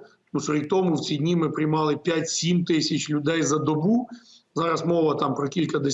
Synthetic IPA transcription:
nusɔɾʲikt̪ɔmʊwt͡sʲid̪ʲnʲimɪpɾɪjmɑlˠɪpʲjatʲsʲimt̪ɪsʲɐt͡ʃlʲʊd̪ɛjzɐd̪ɔbu | zɑɾɐsmɔʋɐt̪ɑmpɾɔkʲilʲkɐd̪ɪ

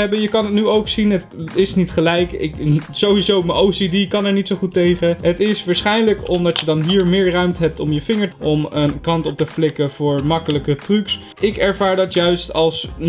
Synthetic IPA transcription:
ɛbəjəkɑnɦətnyowksinətɪsnitχəlɛjkɪ̰kzowizowmənʔowsidikɑnɛɹnitsowχutejχəɦətɪsʋaːɹsχɛjnləkɔmdɑtjədɑnɦiːɹmɪːɹrœɥmtəɦɛp̚tɔmjəvɪŋəɹʔɔmənkɑntɔp̚təflɪkəv̥ʊːɹmɑkələkətryks | ɪkɛɹvaːɹdɑtjœɥstɑlˠs

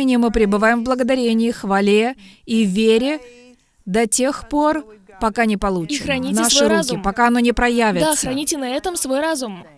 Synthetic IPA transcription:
nʲɪjəmɨpɾʲɪbɨvajɪmvblˠəɡəd̪ɐɾʲenʲɪɪxvɐlʲeivʲeɾʲɪ | d̪ɐtʲe̞xpo̞rpɐkanʲɪpɐlˠut͡ʃxɾɐnʲinaʂɨuzʲɪpɐkaɐno̞nʲɪpɾɐjævʲɪd̪asxəɾɐnʲitʲɪnɐɛt̪əmsvo̞jɾazʊm

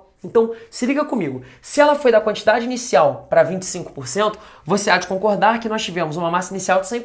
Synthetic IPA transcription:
ẽnt̪ɐ̃w̃sɪliɡɐkõmiɡʊsɪɛlɐfojd̪ɐkwɐ̃nt͡ʃid̪ad͡ʒɪinisiawpɾɐvĩnt͡ʃɪ̥sĩŋkʊ̥poɾsẽnt̪ʊvosead͡ʒɪkõkoɾd̪aɾkɪnɔst͡ʃivẽmʊzũmɐmasɐinisiawd͡ʒɪ̥sẽj̃

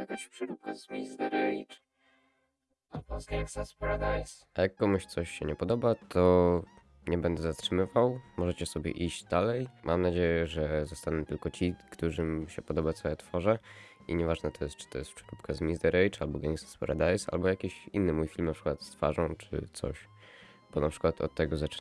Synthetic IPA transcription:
jakaɕpʂɾup̚kazmʲist̪ɛɾɛjt͡ʂ | albɔɡɛŋsaspaɾad̪ajs | ajakːɔmuɕt̪sɔɕɕɛɲɛpɔd̪ɔbat̪ʰɔ | ɲɛbɛnd̪ɛzat̪ʂɘmɘvawmɔʐɛt͡ɕɛsɔbʲjɛ̰ʔiʑd͡ʑd̪alɛjmʔamnad͡ʑejɛʐɛzɔst̪anɛt̪ɘlkɔt͡ɕikt̪uʐɘmɕɛpɔd̪ɔbat̪sɔɛt̪fɔʐɛ | iɲɛvaʐnɛt̪ɔjɛst̪̚t͡ʂɨ̥t̪ɔjɛst̪pʂɛ̥ɾupkazmʲizd̪ɛɾɛjt͡ʂa̰lbɔɡaŋksḁspɔ̰ɾa̰d̪ajsa̰lbɔjakʲiɕinːɘmujfʲilmnapʂɘkwat̪st̪fa̰ʐɔ̃w̃t͡ʂɘ̰t̪sɔ̰ɕ | b̥ɔnapʂɘ̥kwat̪ʰɔ̰t̪ːɛɡɔzat͡ʂ

